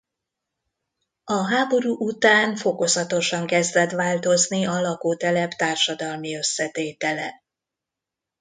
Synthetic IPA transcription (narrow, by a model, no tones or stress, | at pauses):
ɒɦaːbo̞ɾuːʔut̪aːnfo̞ko̞zɒt̪o̞ʃɒŋkɛzd̪ɛt̪ʋaːlt̪o̞zniɒlɒkoːt̪ɛlɛpt̪aːrʃɒd̪ɒlmiø̞sːɛt̪eːt̪ɛlɛ̰